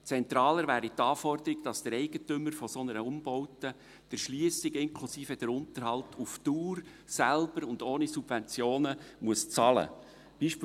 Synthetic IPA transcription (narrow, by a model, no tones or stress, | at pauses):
t͡sɛnt̪ɾɑːləɾvæːɾitɑːfɔrd̪əɾiɡd̥ɑsd̥əɾɛɪɡətʏməɾfɔsɔnəɾəʊmbɔwtə | d̪̥əɾʃliəsɪɡɪŋkʰlusiːfəd̪̥əɾʊnt̪əɾhɑlˠtʰuftuːɾ | sælb̥əɾʊnd̪oːnisub̥vɛnt͡sjoːnəmuəst͡sɑlə̰ | b̥iːʃp